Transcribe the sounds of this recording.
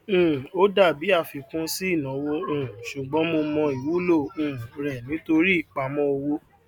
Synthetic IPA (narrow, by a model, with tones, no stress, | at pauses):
o˦da˦˨bi˨˦a˦˨fi˧kũ˦si˦i˦˨nã˨˦wõ˧˦˨ʃu˨ɡ͡bɔ̃˨˦mo˧mɔ̃˧i˨wu˨˦lõ˦˨ɾɛ˨nĩ˨˦to˧ɾi˦i˦˨k͡pa˨˦mɔ̃˦o˧wo˧